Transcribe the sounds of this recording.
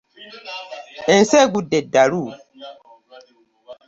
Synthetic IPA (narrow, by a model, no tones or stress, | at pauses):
ɛnsɛɡudɛdaɾu